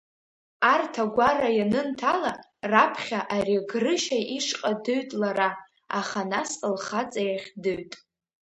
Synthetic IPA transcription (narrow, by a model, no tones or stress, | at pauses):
artʰaɡʷarajanɨntʰala | rapʰχʲaʔariɡrɨʃaʔiʂqʼadɨɥtʼlaɾa | aχanasəlχat͡sʼajaχʲdɨɥtʼ